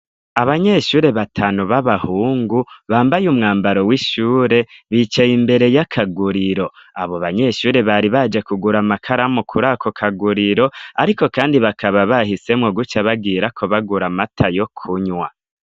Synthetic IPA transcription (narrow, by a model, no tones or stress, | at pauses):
aβaɲe̞ʃuːɾe̞βatʰaːnuβaβahuːŋɡuβaːmbajumŋaːmbaɾo̞wiʃuːɾe̞βiːt͡ʃaimbe̞ɾe̞jakʰaɡuɾiɾo̞a̰βoβaɲe̞ʃuːɾe̞βaɾiβad͡ʒekuɡuɾamakʰaɾamukʰuɾakʰokʰaɡuɾiɾo̞aɾiko̞kaːndiβakʰaβaβahise̞mŋoɡut͡ʃaβaɡiːɾakʰoβaɡuɾamatʰajo̞kʰuɲwa